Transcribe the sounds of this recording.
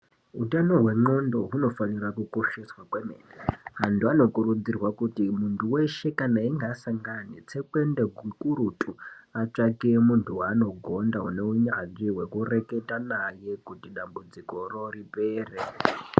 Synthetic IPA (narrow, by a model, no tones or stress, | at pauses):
utanoɦwe̞ŋ͡ǃo̞ndo̞ɦuno̞fanirakuko̞ʃeswakwemḛreɦantuano̞kuɾud͡zirwakutimuntʰuwe̞ʃe̞kanaiŋɡasaŋɡanit͡se̞kwe̞ndeɡekuɾutʼuat͡ʂakimuntʰuwaːno̞ɡʱo̞ndaɦuneuɲaʐiwe̞kure̞ketanaje̞kutiɗambud͡ziko̞ro̞ripeːre